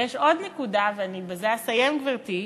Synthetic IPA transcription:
jeʃo̞d̪nekud̪aveanibezeasajemɡvaʁt̪i

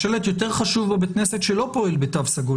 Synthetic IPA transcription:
ʃelet̪jo̞t̬e̞ʁχaʃuvabekneset̪ʃelo̞po̞ilbetavsaɡu

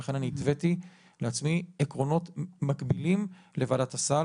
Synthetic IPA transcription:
eχe̞naniːt̪veti | leat͡smiekʁo̞no̞tmakbilimlevaːdatasa

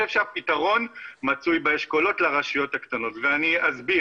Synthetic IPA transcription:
ʃevʃeapitaʁo̞nmat͡sujbeeʃko̞lo̞tlaʁaʃijo̞thaktano̞tveaniazbi

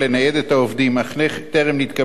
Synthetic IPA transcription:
lenajed̪et̪aovd̪imaχleχt̪eʁemliit̪ka

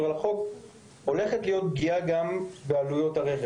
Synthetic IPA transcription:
ʁalaχo̞k | o̞le̞χetlijo̞tɡiaɡambealujo̞taʁeχe

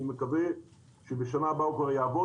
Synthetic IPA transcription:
mekave | ʃebeʃanabaukvaʁjaːvo

